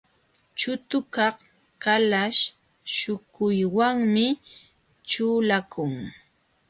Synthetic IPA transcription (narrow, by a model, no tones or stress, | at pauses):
t͡ʃʊt̪ʊkɑχ | kalaʃ | ʃʊkʊjwaŋmɪ | t͡ʃuːlakʰʊŋ